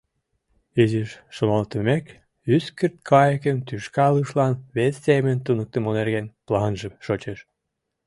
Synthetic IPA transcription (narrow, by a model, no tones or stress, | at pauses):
iziʃːomɑlt̪əmek | yskərt̪̚kʰɑjəkə̆nt̪yʃkɑləʃlɑnβesːemə̆nt̪unək̚t̪ə̆monerɣenplɑnʒə̆mʃot͡ɕeʃ